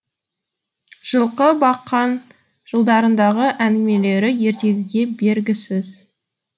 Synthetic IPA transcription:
ʒ̥əlˠqəbɑqːɑn | ʒ̥əlˠd̪ɑɾənd̪ɑʁəʔæŋɡʲɪme̞le̞ɾɪje̞ɾt̪e̞ɡʲɪɡʲe̞be̞ɾɡʲɪsɪz̥

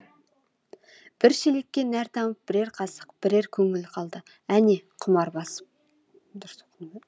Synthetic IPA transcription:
b̥ɪɾʃele̞kʲːe̞næɾt̪ʰɑməp̚b̥ɪɾe̞ɾqʰɑsə̥qb̥ɪɾe̞ɾkʲʰɵŋɪlqʰɑlˠd̪ə | æneqʰʊmɑɾbɑsə̥p̚

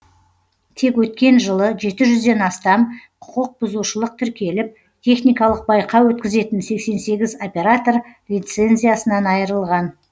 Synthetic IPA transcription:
t̪ʰe̞kwɵt̪̚kʲe̞nʒəlˠəʒe̞t̪ɪʒʏzd̪e̞nɑst̪ɑmqʰʊ̥qəq̚bʊzuʃəlˠəq̚t̪ʰʏɾkʲe̞lɪp̚ | t̪ʲʰe̞χnijkɑlˠəq̚bɑjqʰɑwɵt̪̚kʲɪze̞t̪ɪnse̞kse̞nse̞ɡʲɪzo̞pʲe̞ɾat̪o̞rlʲijt̪se̞nzʲijasənɑnɑjəɾəlˠʁɑn

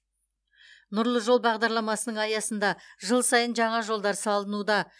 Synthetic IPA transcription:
nʊɾlˠəʒo̞lˠbɑʁd̪ɑɾlˠɑmɑsənəɴɑjɑsənd̪ɑʒəlˠsɑjənʒɑɴɑʒo̞lˠd̪ɑɾsɑlˠənud̪ɑ

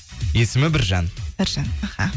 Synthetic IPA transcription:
je̞sɪmɪbɪɾʒɑnɪɾʒɑnaha

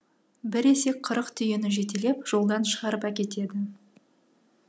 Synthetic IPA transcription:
bɪɾe̞se̞k̚qʰəɾəqt̪ʰʏjenɪʒe̞t̪e̞le̞pʒ̥o̞lˠd̪ɑnʃəʁɑɾəpækʲe̞t̪e̞d̪ɪ

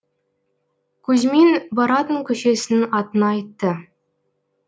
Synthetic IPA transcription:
kʲʉzmenbɑɾɑt̪əŋkʲɵʃesɪ̆nɪŋɑt̪ə̆nɑːjt̪ːə

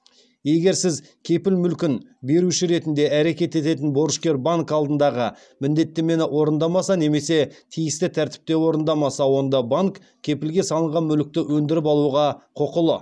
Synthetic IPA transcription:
je̞ɡʲe̞ɾsɪz | kʲʰe̞pɪlmʏlkʲɪnbe̞ɾuʃɪɾe̞t̪ɪnd̪e̞æɾe̞kʲe̞t̪e̞t̪e̞t̪ɪnbo̞ɾəʃkʲe̞ɾbaŋkɑlˠd̪ənd̪ɑʁə | mɪnd̪e̞t̪ːe̞me̞nɪʔwʔo̞ɾənd̪ɑmɑsɑne̞me̞se̞t̪ʰijɪst̪ɪt̪ʰæɾt̪ɪ̥p̚t̪e̞wo̞ɾənd̪ɑmɑsɑwo̞nd̪ɑbaŋkʲʰː | e̞pɪlɡʲe̞sɑlˠəɴʁɑnmʏlɪk̚t̪ɪwɵnd̪ɪɾɪpɑlˠuʁɑqʰoqəlˠə

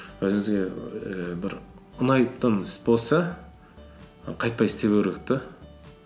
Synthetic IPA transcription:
wɵzɪŋɪzɡʲe̞ | bɪɾʊnɑjpt̪ːənɪsbo̞lˠsɑ | qʰɑjt̪̚pɑjɪst̪e̞pɵɾɪk̚t̪ɪ

